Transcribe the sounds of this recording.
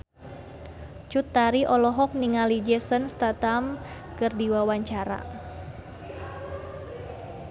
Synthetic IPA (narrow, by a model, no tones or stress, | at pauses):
t͡ʃut̪ːaɾiʔɔlɔɦɔk̚niŋalid͡ʒɛsənst̪at̪amkɨrdiwawaɲt͡ʃaɾa̰